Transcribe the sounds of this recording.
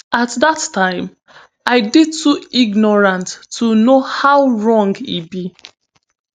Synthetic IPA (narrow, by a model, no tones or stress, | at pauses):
atðatʰãɪ̃m | aɪdidtʰuiɡnɔɹãntʰːunohawɹɔ̃ŋɡḭbi